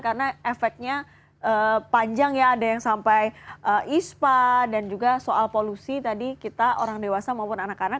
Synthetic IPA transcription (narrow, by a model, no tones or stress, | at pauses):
karənaefɛk̚t̪̚ɲa | ʔəːpaɲd͡ʒaŋjaːdajaŋsampajʔəispadand͡ʒuɡasoʔalpolusit̪adikit̪aʔo̰ɾaŋdewasamaupʊnanakana